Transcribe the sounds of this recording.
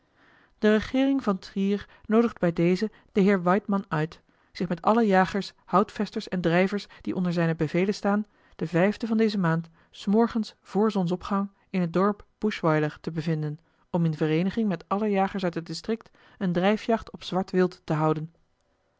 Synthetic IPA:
d̥ərəχɪːrɪŋvɑntriːɹ | nowdəχdbɛjdejzə | d̥əɦɪːɹʋɑjtmɑnœɥt | z̥ɪχmɛtɑləjaːχəɹshʌwtfɛstəɹsɛndrɛjvəɹsd̥iʔɔ̰ndəɹzɛjnəbəvejlənstaːn | d̥əvɛjvdəvɑndejzəmaːnt | smɔɹχənsv̥ʊːɹzɔns̬ɔpχɑŋ | ɪnɦət̚dɔɹpb̥uʃʋɑjləɹtəbəvɪndən | ɔmɪnvərejnəχɪŋmɛtɑləjaːχəɹsœɥtɦət̚dɪstrɪk̚t | əndrɛjfjɑχtɔpsʋɑɹtʋɪlˠtːəɦʌwdən

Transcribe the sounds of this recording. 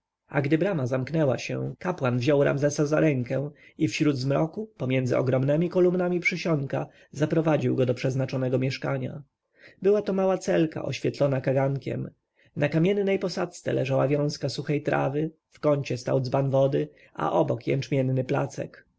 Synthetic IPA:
a̰ɡd̪ɘbɾamazamknɛwa̰ɕɛ̰kapwanvʑɔwɾʔa̰mzɛsazaɾɛŋkɛifɕɾud̪zmɾɔkupɔmʲjɛnd̪zɘ̰ɔ̰ɡɾɔmnɛmʲikɔlumnamʲipʂɘɕɔŋka | zapɾɔvad͡ʑiwɡɔd̪ɔpʂɛznat͡ʂɔnɛɡɔmʲjɛʂkaɲa̰ | bɘwat̪ɔmawat̪sɛlka̰ʔɔ̰ɕfʲjɛt̪lɔnakaɡaŋkʲɛ̰m | nakamʲjɛnːɛjpɔsat̪st̪sɛ̰lɛʐawavʲjɔ̃w̃skasuxɛjt̪ɾʔa̰vɘ | fkɔɲt͡ɕɛst̪a̰wd̪zbanvɔd̪ɘ | a̰ʔɔbɔkjɛ̰nt͡ʂmʲjɛnːɘpla̰t̪sɛ̰k

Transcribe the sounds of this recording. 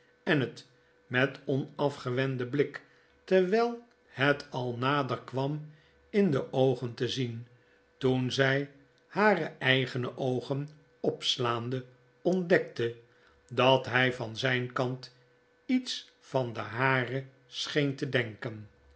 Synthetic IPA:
ɛnət | mɛtɔnɑfχəʋɛndəblɪk | tɛɹʋɛlˠ | hɛtɑlˠnaːdəɹkʋɑm | ɪndəʔowχəntəzin | tunzɛj | haːrəʔɛjχənəʔowχən | ɔpslaːndə | ɔndɛk̚tə | dɑtɦɛjvɑnzɛjnkɑnt | its | fɑndəɦaːrə | sχejntədɛŋkən

